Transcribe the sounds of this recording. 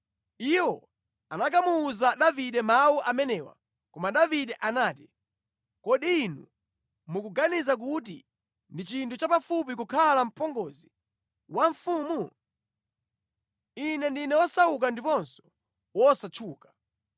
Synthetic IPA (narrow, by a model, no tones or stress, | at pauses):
iwɔ | anak̬amuːzaɗaviɗɛmawuʔamɛnɛwa̰ | kɔmaɗaviɗɛʔanaːti | kɔɗiːnu | mukuɡanizak̬ut̬ḭ | ndit͡ʃintʰut͡ʃapafup̬ik̬ukʰalam̩pɔŋɡɔzi | waɱfuːmu | inɛndinɛwɔsauk̬andipɔnsɔ̥ | wɔsat͡ʃʰuːkḁ